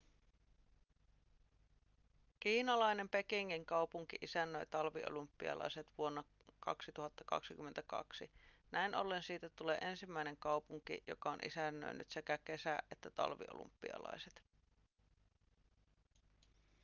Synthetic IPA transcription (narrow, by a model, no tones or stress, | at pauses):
kiːnɑlɑjne̞mpe̞kiŋːiŋkɑupuŋk̟iʔisænːøjt̪ɑlʋio̰lumpːiɑ̰lɑ̰iset̪ʋuo̞nːɑ | kɑ̰ksit̪uɦɑt̪ːɑkɑ̰ksikymːent̪ækɑ̰ksi | næinʔolːensiːt̪æt̪ule̞ːʔe̞nsimːæine̞ŋkɑupuŋkḭjo̰kɑonʔḭsænːø̰ny̰t̪se̞kæke̞sæʔet̪ːæt̪ɑ̰lʋḭʔo̰lṵmpːiɑ̰lɑ̰iset̪